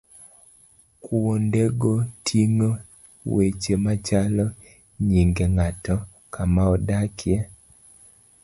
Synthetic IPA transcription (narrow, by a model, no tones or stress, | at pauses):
kuwondeɡotʰiŋo | wet͡ʃemat͡ʃalɔ | ɲiŋɡeŋatɔ | kamaɔdakʰjɛ